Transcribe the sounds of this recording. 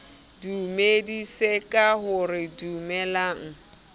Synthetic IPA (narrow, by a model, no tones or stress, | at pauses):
dumedisekʼaɦʊrɪdumɛlaːŋ̩